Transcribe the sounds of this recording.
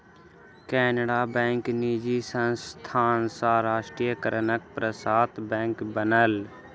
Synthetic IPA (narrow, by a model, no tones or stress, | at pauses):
kɛːnəɽabɛ̃ːŋknid͡ʒisə̃nst̪ʰaːnsaːɾaːʃʈɾijəkəɾnək̚pɾəsaːt̪bɛ̃ːŋkbənəl